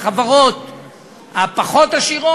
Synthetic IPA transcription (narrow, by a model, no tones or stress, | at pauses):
χavaʁot̪ | hapaχot̪aʃiʁo